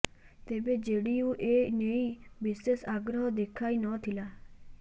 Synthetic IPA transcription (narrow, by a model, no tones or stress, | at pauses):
t̪eːbed͡ʒeːɽiũʔeːneibɪsesaːɡɾəɦɔd̪ekʰaːinɔːt̪ʰɪlaː